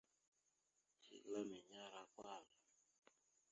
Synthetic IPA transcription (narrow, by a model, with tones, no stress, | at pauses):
t͡ʃḭ˨la˦mɛ˨ɲa˦ɾa˦kwaː˦˨zɔ˨